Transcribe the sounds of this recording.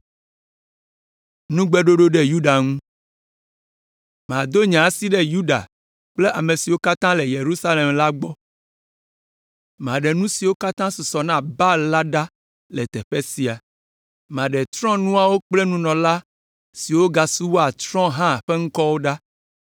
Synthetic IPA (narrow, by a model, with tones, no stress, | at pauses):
nũ˦ɡ͡be˦ɖo˦ɖo˦ɖe˦ju˦ɖa˨ŋũ˦ | m˨ã˨d̪o˦ɲã˨si˦ɖɛ˦ju˦ɖa̰˨ | k͡ple˦ʔa˨mẽ˨si˨wo˦ka˦t̪ã˦lɛ˨je˨ɾu˦sa˦le˨mla˦ɡ͡bɔ˦ | m˨ã˨ɖe˨nũ˦si˨wo˦ka˦t̪ã˦su˨sɔ˨nã˦ba˦la˦ɖa˦ | lɛ˨t̪ɛ˨ɸɛ˦si˨a˨ | m˨ã˨ɖɛ˨t̪ɾɔ̃˦nũ˦a˨wo˦k͡ple˦nũ˦nɔ̃˨la˦ | si˨wo˦ɡa˨su˦wo˦a˨t̪ɾɔ̃˦ɦã˦˨ɸe˦ŋ̩˦kɔ˦wo˦ɖa˦